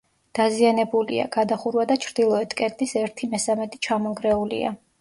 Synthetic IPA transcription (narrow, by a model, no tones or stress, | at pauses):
d̪̥azianɛbulḭa̰ɡ̥ad̪aχuɾwad̪at͡ʃʰɾd̪ilˠɔɛt̪ʰkʼɛt̪ʼisɛɾt̪ʰimɛsamɛt̪ʼi̥t͡ʃʰamɔŋɡɾɛulḭa̰